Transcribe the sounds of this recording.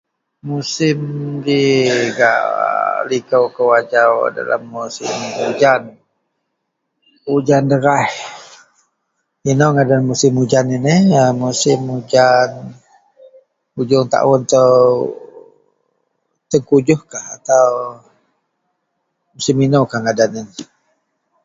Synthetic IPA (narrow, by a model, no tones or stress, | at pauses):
musɪmdiɡa̰ʔlikəwkəwad͡ʒawda̰la̰mːusɪmud͡ʒan | ud͡ʒandəɾah | inowŋadalamːusɪmud͡ʒaninihəmusɪmud͡ʒan | ud͡ʒʊŋt̪a̰ʔwʊnt̪əw | t̪əŋkud͡ʒʊhkahat̪aw | musiminowkahŋadanɪn